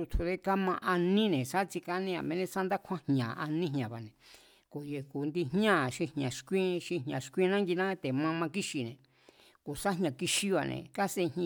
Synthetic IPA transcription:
u˧t̪ʰu˧ðe˦ka˦mã˧ʔa˧nĩ˦nẽ˨sa˦t͡ʃi˧ka˧nĩ˧ã̰˨mẽ˧nẽ˦sa˦nd̪a˦kʰã˦hɲã˨ʔa˧nĩ˦ɦɲã˨βa˨nẽ˨ | ko˨je˨ku˨nd̪i˧ɦɲã˦˨ʃi˧hɲã˨ʃkʷĩ˦ʃi˧ɦɲã˨ʃkʷĩ˦˧nã˦ŋɡi˧nã˦t̪e˨mã˧mã˧ki˦ʃi˧nḛ̃˨ | ko˨sa˦ɦɲã˨ki˧ʃi˦βa˧nḛ̃˧ka˦se˧h

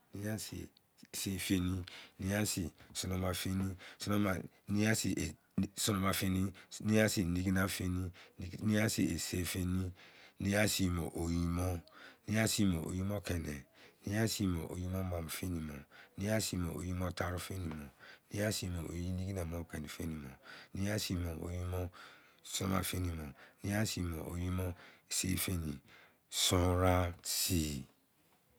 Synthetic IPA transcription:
ni˦ja˦sḭ˨ | se˦˨fe˦ni˦ni˦a˦si˨su˨no˨˧ma˨fe˦nĩ˦su˦no˦ma˨ | ni˦a˦si˨e˨ | su˦no˧ma˨fe˦ni˦ni˦a˦si˨ni˦ɡi˦na˦fe˦ni˦ni˦a˦si˨e˨se˦fe˦ni˦ni˦a˦si˨mo̰˨ʔo˨ji˦mɔ˦ni˦a˦si˦mo˨ʔo̰˨ji˦mɔ˦kɛ˨nɛ̰˨nĩ˦a˦si˦˨mɔ˨ʔo̰˨ji˦mɔ̃˦mɔ̃˨m̩˨fe˦nĩ˨mɔ̰̃˨nĩ˦a˦si˧˨mɔ˨o˨ji˦mɔ˦ta˨ɾu˦fe˦nĩ˨mɔ̃˨nĩ˦a˦si˦˧˨mo˨o˨ji˦nĩ˦ɡi˦nã˨mɔ̃˦˨kɛ˨nĩ˨fe˦nĩ˨mɔ̰̃˨nĩ˦a˦si˧˨mɔ̃˨o̰˨ji˦mɔ̃˦ | sɔ̃˦ma̰˨fe˦nĩ˨mɔ̃˨nĩ˦a˦si˧˨mɔ̰̃˨ʔo˨ji˦mɔ̃˦e˨sḛ˦fe˦nĩ˨ | sɔ̃˦ɾa˦si˨

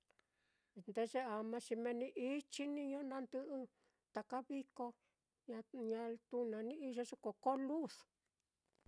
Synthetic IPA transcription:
nd̪e˧ʐe˧a˨mã˧t͡ʃi˧mẽ˧nĩ˧ʔi˦t͡ʃi˦nĩ˦˧ɲõ˦nã˧nd̪ɨ˧ʔɨ˧ | t̪a˨ka˦βi˦ko˧ | ɲã˧ɲã˧t̪u˧nã˨nĩ˦i˦˧ʒo˧˦ʂo˦ko˨ko˦lu˦˨s

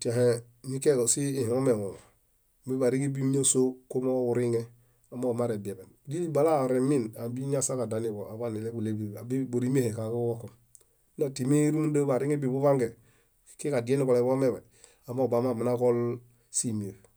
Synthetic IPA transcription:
ti˨a˨ɦe˦ | mi˦ke˦ko˨si˦i˨ho˦me˨wo˨ | bi˦ba˨ɾi˦ŋi˦bi˦ɲa˦so˦ko˦mo˦u˨ɾi˦ŋe˦ | a˨mːo˦˨ma˦ɾe˨be˨be˨nd͡ʒi˦li˦ba˨la˦˨ɾe˨mi˦na˨bi˦ɲa˦sa˦ka˨da˨˦ni˦˨bo˨a˨ba˦ni˨le˦bu˨le˦bi˦˨a˨bi˦bo˨ɾi˦m˦e˦he˨ka˨ku˦wo˦ko˨m˦ | na˨ti˨mi˦ɾu˦mu˦nda˦ba˨ɾi˦ŋe˦bi˨bu˦βa˦ŋɡe˨ | ki˦ka˨di˨˦e˦ni˦ko˨le˨bo˦me˦˨ba˨ | a˨mo˦˨ba˨ma˦˨mi˨na˦ko˦l | si˦m˨e˨l

